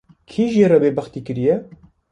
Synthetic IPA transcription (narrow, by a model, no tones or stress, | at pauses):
kʰiːʒeɾɑbeːbɐxt̪iːkɨɾijɛ